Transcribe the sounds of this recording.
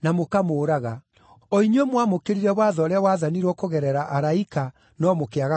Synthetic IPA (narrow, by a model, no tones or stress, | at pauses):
namokamoːɾaɣa | ɔiɲwɛmwamokeɾiɾɛβwaðɔɾeawaðaniɾwɔkoɣɛɾɛɾaʔaɾaika | nɔmokeaɣa